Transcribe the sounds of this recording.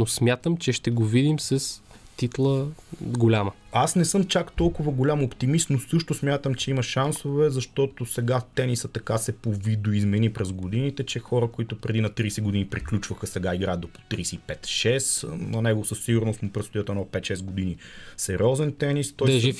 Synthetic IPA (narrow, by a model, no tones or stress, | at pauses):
nosmʲjat̪əmt͡ʃɛʃt̪ɛɡovid̪imsɐs | t̪it̪lˠəɡolʲamə | asnɛsɤmt͡ʃakt̪ɔlˠkʊvɐɡolʲamopt̪imist̪nosɤʃt̪ʊsmʲjat̪əmt͡ʃɛimɐʃansovɛzɐʃt̪ɔt̪osɛɡat̪ɛnisət̪ɐkasɛpovid̪oizmɛnipɾɛzɡod̪init̪ɛt͡ʃɛxɔɾəkoit̪ʊpɾɛd̪inɐt̪ɾiːsɛɡʊd̪inipɾiklʲut͡ʃvəxəsɛɡaiɡɾajət̪d̪opo̥t̪ɾisɛipɛt̪ʃɛsnɐnɛɡosəsːiɡʊɾnost̪mopɾɛt̪st̪ojət̪ɛnɔpɛt̪ʃɛzɡod̪inisɛɾʲiɔzɛnt̪ɛnist̪ɔjʒ